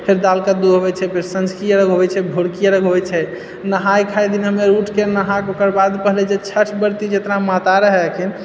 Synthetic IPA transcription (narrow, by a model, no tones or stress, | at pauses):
pʰeɾd̪alkad̪uɦobɛt͡ʃʰɛpʰeɾsənskɾijəɾəɡɦobɛt͡ʃʰɛbʱoɽkijəɾəɡɦoɛt͡ʃʰɛ | nəɦajkʰajd̪inɦəmeɾuʈʰkenəɦakokəɾbad̪pəɦlɛd͡ʒet͡ʃʰət͡ʃʰbəɾt̪id͡ʒet̪namat̪aɾəɦɛkʰin